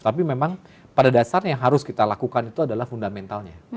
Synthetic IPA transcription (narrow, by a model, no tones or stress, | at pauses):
t̪apimemaŋ | padadasarjaŋɦaɾʊskit̪alakukanit̪uadalahfundamɛnt̪alɲa